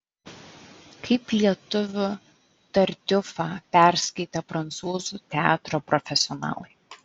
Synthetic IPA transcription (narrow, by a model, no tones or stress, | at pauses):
kʰɐɪplʲiɛt̪ʊʋʲʊ | t̪ɐɾʲd̪ʲʊfɑːpʲæɾʲsʲkɐɪt̪ʲɛpɾɐnt̪suːzut̪ʲɛɑːt̪ɾoːpɾɔfʲɛsʲɪɔnɑ̰ːlˠɐɪ